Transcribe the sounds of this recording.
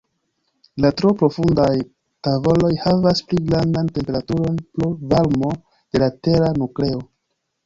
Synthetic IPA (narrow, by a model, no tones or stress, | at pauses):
latɾo̞pɾo̞fundaj | tavo̞lo̞jhavaspliɡɾandante̞mpe̞ɾatuɾo̞nplovaɾmo̞ | d̥e̞late̞ɾanukle̞o̞